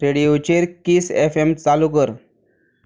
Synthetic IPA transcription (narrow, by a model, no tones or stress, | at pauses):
ɾeɽiot͡ɕeɾkiːsefemt͡salukəɾ